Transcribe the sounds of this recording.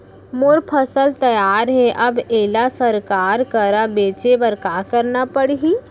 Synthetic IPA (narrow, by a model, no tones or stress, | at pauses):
moɾpʰəsəlt̪ɐjaːɾɦɛʔɐbeːlasɐɾkaːɾkəɾabeːt͡ʃebəɾkaːkəɾnapəɽɦiː